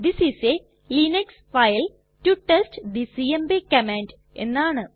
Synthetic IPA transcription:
d̪isise | linɐksfajl | tuʈestd̪isiembekɐmaːnɖ | e̞̰nːaːɳɨ

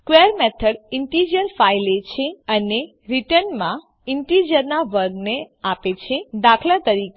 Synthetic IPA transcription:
skʋeəɾmɛt̪ʰəɽiɳʈid͡ʒəɾfajlet͡ʃʰeəne | ɾiʈənmã | iɳʈid͡ʒəɾnaʋəɾɡne | apet͡ʃʰed̪akʰlat̪əɾike

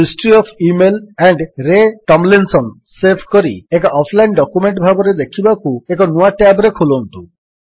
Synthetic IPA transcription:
isʈɾiɔpʰimelɛɳɖɾeʈɔmlinsɔn | sepʰkɔɾḭekɔɔpʰlajnɖɔkumeɳʈbʱabɔɾed̪ekʰibakuekɔnuaʈabɾekʰulont̪u

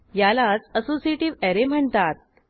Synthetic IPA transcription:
jalat͡səsosieʈiːʋɛɾem̤əɳt̪at̪̚

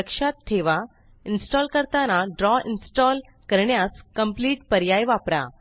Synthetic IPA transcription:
əkʂat̪ʰːeʋa | insʈɔlkəɾt̪anaɖɾɔinsʈɔl | kəɾɳjaskəmpliːʈpəɾjajʋapɾa̰

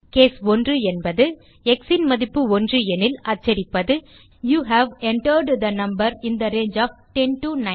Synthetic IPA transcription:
keːsɔndrɯɛnbɐðɯ | ɛksɪnmɐðɪpːɯɔndrɯɛnɪlɐt͡ʃːɐɾɪpːɐðɯ | juːɦæʋɛɳʈəɾɖd̪ɐnɐmbɐɾɪnd̪ɐɾeːnd͡ʒaːfʈɛnʈunɐ

